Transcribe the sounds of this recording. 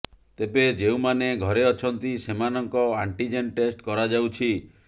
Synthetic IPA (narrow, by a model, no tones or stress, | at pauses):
t̪ebed͡ʒeuw̃maneɡʱɔɾeɔt͡ʃʰɔnt̪isemanɔŋkɔaɳʈid͡ʒenʈesʈkɔɾad͡ʒawt͡ʃʰi